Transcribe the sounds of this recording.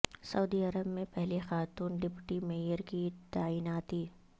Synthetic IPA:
sɐuːd̪iɐɾəbmẽpɛɦlexaːt̪uːnɖɪpʈimeːjəɾkit̪aːiːnaːt̪iː

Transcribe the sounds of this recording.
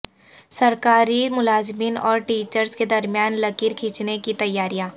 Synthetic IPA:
sɐɾkaːɾimʊlaːzmiːnɔːɾʈiːt͡ʃəɾsked̪ɐɾmijaːnlɐkiːɾkʰiːt͡ʃnekit̪ɐjːaːɾijãː

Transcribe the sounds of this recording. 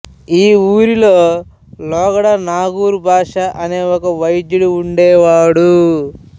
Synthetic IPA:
iːuːɾiloː | lɔːɡɐɽɐnaːɡuːɾubʱaːʂɐʔɐne̞ːɔkɐʋɐjid̪juɽuːɳɖɛːʋaːɽu

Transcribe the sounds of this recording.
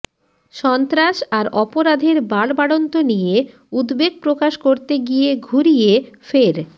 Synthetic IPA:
ʃɔnt̪ɾaʃaɾɔpoɾad̪ʱeɾbaɽbaɽont̪onije | ud̪beɡ̚pɾokaʃkoɾt̪eɡijeɡʱuɾijefeɾ

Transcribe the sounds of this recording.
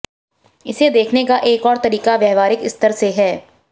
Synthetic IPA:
ɪsed̪eːkʰnekaʔeːkɔːɾt̪ɐɾiːkaʋjɛːɦʋaːɾɪkɪst̪əɾseɦɛː

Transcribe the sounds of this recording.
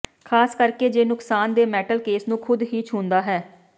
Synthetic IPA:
kʰaːskəɾkeːd͡ʒeːnʊksaːnd̪eːmɛːʈəlkeːsnũːkʰʊd̪ɦiːt͡ʃʰũːnd̪aːɦɛː

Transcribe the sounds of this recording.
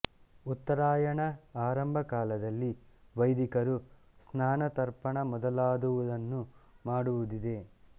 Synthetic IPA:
ut̪ːɐɾaːjɐɳɐaːɾɐmbʱɐkaːlɐd̪ɐlːiʋɐjd̪ikɐɾu | snaːnɐt̪ɐɾpɐɳɐmɔd̪ɐlaːd̪uʋud̪ɐnːumaːɽuʋud̪id̪e̞

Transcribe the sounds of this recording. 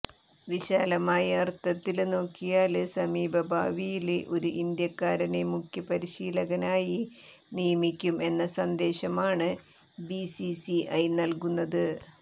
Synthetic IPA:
ʋiɕaːlɐmaːjɐɐrt̪ɐt̪ːilno̞ːkːijaːlsɐmiːbʱɐbʱaːʋijileʔo̞ɾuʔind̪jɐkːaːɾɐnemukʰjɐpɐɾiɕiːlɐɣɐnaːjinijɐmikʲːume̞nːɐsɐnd̪e̞ːɕɐmaːɳɨ | bisisiʔɐjnɐlkunːɐðɨ

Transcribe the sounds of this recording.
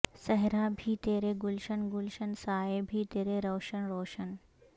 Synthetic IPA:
sɐɦɪɾabʱit̪eːɾeɡʊlʃənɡʊlʃənsaːebʱit̪eːɾeɾɔːʃənɾoːʃən

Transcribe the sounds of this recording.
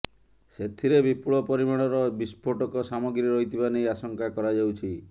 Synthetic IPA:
set̪ʰiɾebipuɭɔpɔɾimaɽ̃ɔɾɔbispʰoʈɔkɔsamɔɡɾiɾɔjt̪ʰibanejasɔŋkakɔɾad͡ʒawt͡ʃʰi

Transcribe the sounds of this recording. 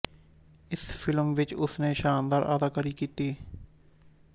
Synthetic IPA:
ɪspʰɪlmʋɪt͡ʃʊsneːʃaːnd̪aːɾʔa̰ːd̪aːkəɾiːkiːt̪iː

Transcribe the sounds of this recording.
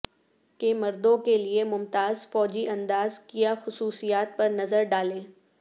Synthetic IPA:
kemɐɾd̪õkeliemʊmt̪aːzfɔːd͡ʒiʔɐ̃nd̪aːzkijaxʊsuːsijaːt̪̚pɐɾnɐzəɾɖaːlẽː

